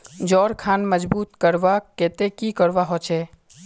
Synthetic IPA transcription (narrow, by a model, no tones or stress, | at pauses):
d͡ʒɔːɾkʰaːnməd͡ʒbuːt̪kəɾʋakeːt̪ekikəɾʋaɦot͡ʃʰeː